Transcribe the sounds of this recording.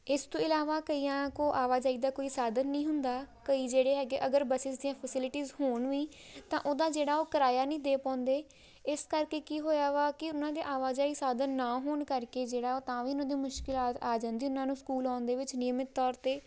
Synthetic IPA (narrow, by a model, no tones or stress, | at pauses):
ɪst̪õːɪlaːʋaːkəiːãːkoːʔaːʋaːd͡ʒaːiːd̪aːkoːiːsaːd̪ənːĩːɦʊnd̪aːkəiːd͡ʒeːɽeːɦɛːɡeːʔəɡəɾbəsɪsd̪iːãːpʰəsɪlɪʈiːzhoːɳʋiː | t̪ãːʔoːd̪aːd͡ʒeːɽaːoːkəɾaːjaːnəĩːd̪eːpãːnd̪eː | ɪskəɾkeːkiːɦoːjaːʋaːkɪʊnãːd̪eːʔaːʋaːd͡ʒaːisaːd̪ənːaːɦoːɳkəɾkeːd͡ʒeːɽaːoːt̪ãːʋiːʊnãːd̪iːmʊʃkɪlaːt̪aːd͡ʒãːnd̪iːʊnãːnũːskuːlaːnd̪eːʋɪt͡ʃnɪmɪt̪ːɔːɾt̪eː